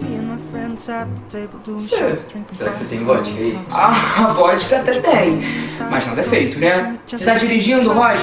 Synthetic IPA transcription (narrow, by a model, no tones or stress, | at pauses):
sesɛɾakset̪ẽj̃ɡɔt͡ʃi̥kɐiavɔt͡ʃi̥kɐt̪ɛt̪eɐ̃j̃mɐjʒnɐ̃d̪ɐɛfejt̪unɛseʃt̪ad͡ʒiɾiʒĩnd̪umaj